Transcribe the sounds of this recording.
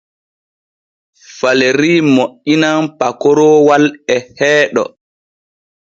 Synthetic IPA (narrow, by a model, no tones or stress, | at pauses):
faleɾiːmoʔinanpakɔɾɔːwalɛhɛːɗɔ̰